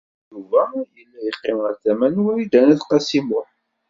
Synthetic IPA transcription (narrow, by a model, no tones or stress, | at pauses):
juvæjəlːæjəqːɪməɾθæmænwæɾid̪ænæðqɑsimʊħ